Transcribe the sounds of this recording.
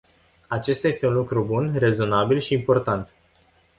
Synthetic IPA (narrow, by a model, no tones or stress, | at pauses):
at͡ʃe̞st̪aje̞st̪e̞unlukɾubunre̞zo̞nabilʃiːmpo̞rt̪ant̪